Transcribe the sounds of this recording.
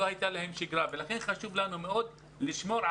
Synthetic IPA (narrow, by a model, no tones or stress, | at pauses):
ohajt̪alahe̞mʃiɡɾavelaχe̞nχaʃuvlanumeo̞d̪ | liʃmo̞ɾ